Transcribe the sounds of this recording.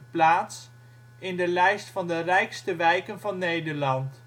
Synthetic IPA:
plaːts | ɪndəlɛjstfɑndərɛjkstəʋɛjkənvɑnːejdəɹlɑnt

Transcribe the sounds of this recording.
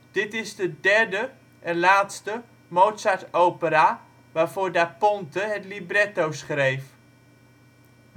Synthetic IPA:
d̥ɪtɪzdədɛɹdə | ʔɛnlaːtstə | mowtsaɹtowpəɾaː | ʋaːɹvʊːɹdapɔntəɦɛtlibrɛtowsχrejf

